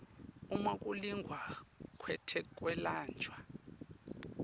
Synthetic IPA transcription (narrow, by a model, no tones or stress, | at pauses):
umakʼuliŋɡʱwakʰwɛtʰɛkʼwɛlaːnd͡ʒʱwa